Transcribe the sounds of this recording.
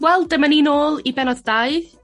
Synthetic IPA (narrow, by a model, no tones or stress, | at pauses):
wɛlˠdəmaninoːlˠibɛnɔðdaɨð